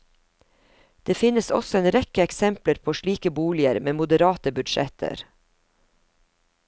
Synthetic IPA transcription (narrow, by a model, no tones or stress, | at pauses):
d̪̥eːfɪnəsɔ̰sɔeːnɾɛkəɛksɛmpləɾpʰoːʃɭiːkəbuːlɪəɾmeːmʊd̪əɾɑːt̪əbʉd̪ʃɛ̰t̪ʰə̰ɾ